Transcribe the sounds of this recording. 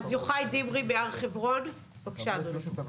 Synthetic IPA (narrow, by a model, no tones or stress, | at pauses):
zjoχajdimʁimeaʁχevʁo̞n | pakʃanuli